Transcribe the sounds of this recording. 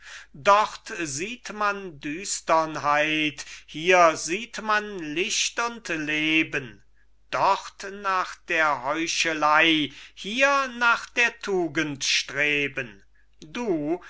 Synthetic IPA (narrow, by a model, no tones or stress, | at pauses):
dɔʁtziːtmandyːstɐnɦaɪthiːɐziːtmanlɪʃtʊntleːbən | d̥ɔʁtnaːχd̥eːɐhɔʏʃəlaɪhiːɐnaːχd̥eːɐtʰuːɡəntʃtʁ̥eːbən | duː